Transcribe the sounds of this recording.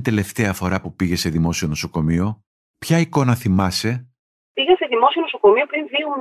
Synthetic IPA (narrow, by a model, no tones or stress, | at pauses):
t̪e̞le̞ft̪e̞ɐfo̞ɾɐpupiʝe̞se̞ðimo̞sio̞no̞so̞ko̞mio̞ | pçɐiko̞nɐθimɐse̞ | piɣeseðimo̞sio̞nosoko̞miopɾinvium